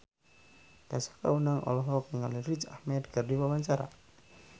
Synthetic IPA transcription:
d̪̥asḁka̰unaŋʔɔ̰lɔɦɔkiŋalirit͡ʃahmɛd̪̚kardiwawaɲt͡ʃaɾa̰

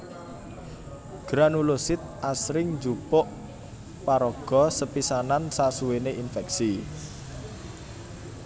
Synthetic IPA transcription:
ɡ̥ɾanulosɪt̪̚ʔasɾɪŋd͡ʒupʊʔ | paɾɔɡ̥ɔ̤səpisanansasuweneʔinfɛk̚si

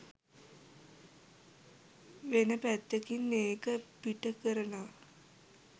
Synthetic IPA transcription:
ʋenəpæt̪ːekinːeːkəpiʈəkəɾəna

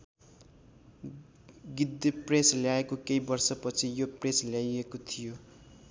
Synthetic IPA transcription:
ɡid̪ːepresljaekokejbʌrsʌpʌt͡sʰijopresljajekot̪ʰijo

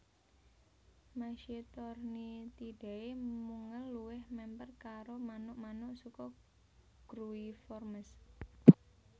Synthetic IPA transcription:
maʃit̪ɔrnit̪iɖ̥e̤emuŋəlːuwɪhmɛmpərkaɾomanʊʔmanʊʔsukɔ | ɡ̥ɾuifɔrməs

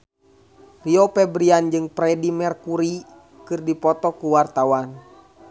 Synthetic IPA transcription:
riɔpɛbɾiand͡ʒɨŋpɾɛdimɛrkuɾi | kɨrdipɔt̪ɔkuwart̪awan

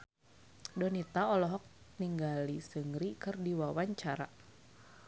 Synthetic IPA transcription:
dɔnit̪aɔlɔɦɔk̚niŋɡalisəŋɾikɨrdiwawaɲt͡ʃaɾa̰

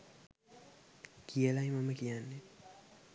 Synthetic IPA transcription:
kielaimamekijanːi

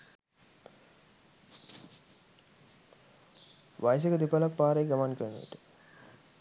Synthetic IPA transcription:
ʋajs̬ekəd̪ipalakpaːɾejɡamankəɾnṵḭʈə̥

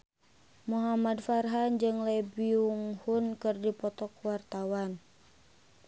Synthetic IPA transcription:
muɦamadfarɦand͡ʒɨŋlɛbiuŋhunkɨrdipɔt̪ɔkwart̪awan

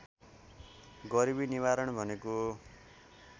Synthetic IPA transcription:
ɡʌɾibiniβaɾʌɳbʱʌneko

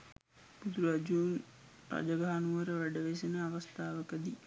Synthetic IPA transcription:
bud̪uɾad͡ʒuːn | ra̰d͡ʒɐɡaɦanuʋəɾəʋæɖəʋesenəaʋɐst̪aːʋəkəd̪i

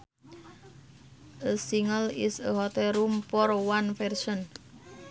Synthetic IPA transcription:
ʔəsiŋəlisəɦɔt̪ɛɾumpɔrwanfɛrsɔn

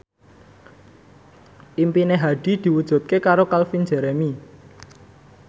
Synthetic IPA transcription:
ʔimpineɦaɖ̥i̤d̪̥i̤wud̥ʒ̥ṳt̪̚kekaɾokalfind͡ʒɛ̤ɾɛmi

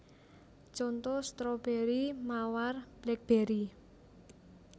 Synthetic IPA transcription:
t͡ʃɔnt̪ɔst̪ɾɔb̥eɾimawarb̥lɛk̚b̥eɾi

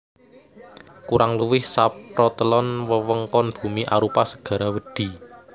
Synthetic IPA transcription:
kuɾʔaŋluwɪhsapɾɔt̪əlɔnwəwəŋkɔnb̥ṳmiʔa̰ɾupasəɡ̥a̤ɾawəɖ̪̥i̤

